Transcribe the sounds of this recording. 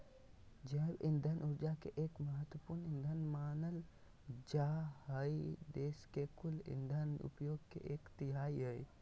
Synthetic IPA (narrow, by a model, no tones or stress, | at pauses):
d͡ʒəːbɪ̃nd̪ʱənʔʊɾd͡ʒakeʔeːkməɦət̪wəpuɾnɪnd̪ʱənmaːnəl | d͡ʒaɦəid̪eːskekʊlɪ̰̃nd̪ʱənʊ̰pjoːɡ̚kḛʔeːkt̪ɪɦaːiɦəi